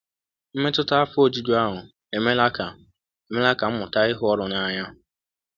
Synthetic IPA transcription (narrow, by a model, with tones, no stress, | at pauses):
m̩˦me˦tʊ˦ta˦a˦fʊ˦o˦˨d͡ʒi˦d͡ʒu˦a˦ɦʊ˨ | e˨me˦la˦ka˨ | e˨me˦la˦ka˨m̩˦mʊ˨ta˦ɪ˦ɦʊ˦ɔ˦ɾʊ˨na˦ɲa˦